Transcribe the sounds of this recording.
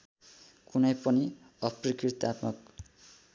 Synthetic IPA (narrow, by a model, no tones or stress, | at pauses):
kunʌjpʌni | ʌprikrit̪at̪mʌk